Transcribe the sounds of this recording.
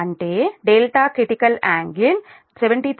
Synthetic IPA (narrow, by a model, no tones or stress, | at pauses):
ɳʈeːɖeːlʈaːkɾɪʈikɐlaːŋɡɪn | sɛʋɛɳʈit̪